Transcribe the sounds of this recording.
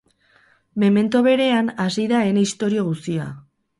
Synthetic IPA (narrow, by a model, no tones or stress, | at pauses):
meme̞nt̪oβe̞ɾe̞anasiðae̞neist̪o̞ɾio̞ɣ̞ust̪ia̰